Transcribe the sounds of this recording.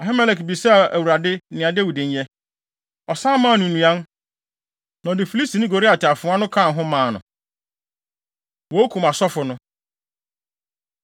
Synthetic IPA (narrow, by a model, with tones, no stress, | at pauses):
ɔ˨ɦɪ˦mɛ˦lɛ˨kbi˨sɛ˦˨æ˨wu˨ɾa˨dɪ˦nɪ̃˨a˨de˦wi˨dɪ̃˨n˦jɛ˦ | ɔ˨sãː˦mãː˦˨nʊ̃˨nũ˨ã˦n | nã˨dɪ˨fi˨li˦sti˨nɪ̃˦ɡo˨ɾi˦a˨tʰɪ˨a˨fʊ̃˨˦ã˦nʊ̃˦kʰã˦˨n˨ɦʊ̃˦mãː˨˦˨nʊ̃˨ | wo˨˦o˦kʰũ˨ma˨sɔ˦fʊ˨nʊ̃˦